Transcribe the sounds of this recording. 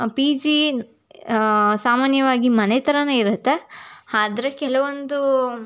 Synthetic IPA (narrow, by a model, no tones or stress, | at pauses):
pid͡ʒi | saːmaːnjɐʋaːɡimɐnet̪ɐɾɐnɐiɾut̪ːe̞aːd̪ɾekɛlɐʋond̪u